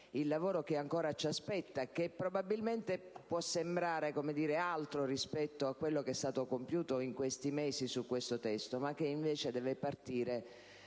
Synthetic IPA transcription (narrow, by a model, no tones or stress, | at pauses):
ilːavoːɾokeaŋkoːɾat͡ʃaspɛt̪ːakːepːɾobabilment̪epwɔsːembɾaːɾekomed̪iːɾealt̪ɾorispɛt̪ːoakːwelːokɛst̪aːt̪okompjuːt̪oiŋkwest̪imeːsisukːwest̪ot̪ɛst̪omak̟ːeiɱveːt͡ʃed̪ɛːvepart̪iːɾe